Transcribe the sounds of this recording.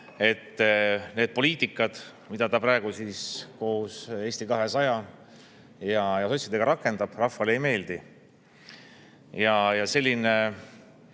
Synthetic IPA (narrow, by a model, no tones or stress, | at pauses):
e̞t̪ːne̞ːd̪̥̚po̞lʲiːt̪ˑikːˑɑd̪̥ | mid̪̥ɑt̪ɑprɑeɡ̥usisko̞ːse̞ːsʲt̪ikɑɦe̞sɑjɑ | jɑjɑso̞t̪ʲsid̪e̞ɡ̥ɑɾɑkːˑe̞nd̪ɑb̥rɑfːɑlejme̞ːld̪̥i | jɑjɑse̞lʲːine